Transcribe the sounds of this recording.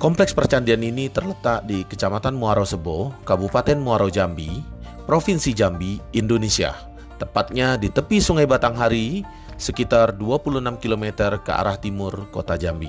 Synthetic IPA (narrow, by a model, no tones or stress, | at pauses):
kɔmplɛkspərt͡ʃandianinit̪ərlət̪aʔdikət͡ʃamat̪anmuaɾosəbokabupat̪ɛnmuaɾad͡ʒambi | pɾofinsid͡ʒambiːndonesia̰ | t̪əmpat̪̚ɲadit̪əpisuŋajbat̪aŋɦaɾi | səkit̪arduapuluənamkilomet̪ərkəa̰ɾaht̪imʊrko̰t̪ad͡ʒambḭ